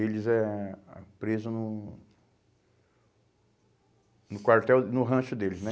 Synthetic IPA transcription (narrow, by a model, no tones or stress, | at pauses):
elɪzɛ | pɾezʊnʊ | nʊkwaɾt̪ɛwnʊɦɐ̃ʃʊd̪elɪznɛ